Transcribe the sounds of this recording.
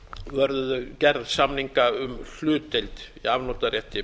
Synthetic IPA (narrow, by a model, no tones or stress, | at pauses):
vœɾðʏðʏcɛɾðsamniŋkaʏml̥ʏːt̪ejlt̪iavnoːt̪arjɛht̪ːɪ